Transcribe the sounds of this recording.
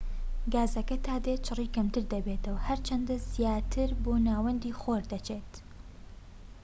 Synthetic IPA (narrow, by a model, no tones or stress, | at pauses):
ɡaːzɐkɐt̪ʰaːd̪et͡ʃʰɨriːkɐmt̪ɨɾd̪ɐbet̪ɐwhɐɾt͡ʃʰɐnd̪ɐzijaːt̪ʰɨɾboːnaːwɐnd̪iːxoːɾd̪ɐt͡ʃʰeːt̪